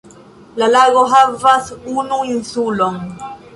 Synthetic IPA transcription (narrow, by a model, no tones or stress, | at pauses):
lalaɣɔɦavasunuinsulɔŋ